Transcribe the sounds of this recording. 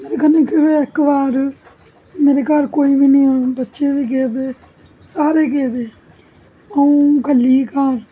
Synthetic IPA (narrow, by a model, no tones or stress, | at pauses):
meːɾeːkənẽːkeʋeɪkʋaːɾ | meːɾeːkaːɾkoːiːʋiːnĩːãbətːʃeːʋiːk̬eːd̪eː | saːɾeːk̬eːd̪eː | əũːkəlːiːkaːɾ